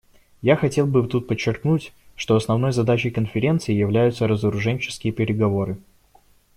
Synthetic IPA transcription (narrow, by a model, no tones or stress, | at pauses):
jaxɐtʲe̞lˠbɨt̪ut̪̚pət͡ɕːɪrknutʲʂt̪o̞ɐsnɐvno̞jzɐd̪at͡ɕɪjkənfʲɪɾʲe̞nt̪sɨɪjɪvlʲæjʊt̪səɾəzəɾʊʐɛnʲt͡ɕɪ̥skʲɪjəpʲɪɾʲɪɡɐvo̞ɾɨ